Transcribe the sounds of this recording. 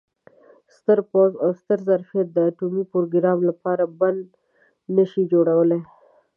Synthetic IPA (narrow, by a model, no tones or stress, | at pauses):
st̪əɾpozawst̪əɾzaɾfijat̪̚d̪əːʈumipoɾoɡɪɾɑmlapɑɾaband̪ | nəʃid͡ʒoɽawəle